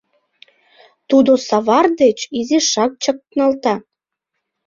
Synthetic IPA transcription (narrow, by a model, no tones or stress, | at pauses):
t̪ud̪osɑβɑrd̪et͡ɕiziʃɑk̚t͡ɕək̚t̪nɑlt̪ɑ